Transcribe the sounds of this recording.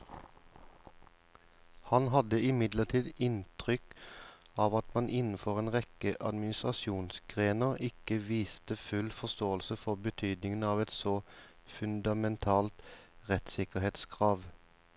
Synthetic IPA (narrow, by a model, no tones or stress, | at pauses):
hɑnɦɑd̪əɪmɪd̪ləʁt̪ʰiːd̪ɪnt̪ʰʁʏk | ɑːʋɑt̪mɑnʔɪnn̩fɔʁeːnʁɛkəʔɑd̪mɪnɪst̪ʁɑʃuːnsɡ̥ʁeːnəʁɪkəʋiːst̪əfʉlfɔst̪oːəlsəfɔʁbət̪ʰyːd̪nɪŋən̩ɑːʋɛt̪soː | fʉnd̪ɑmɛnt̪ʰɑːlt̪ʁɛt̪sɪkəheːt̪skʰʁɑːʋ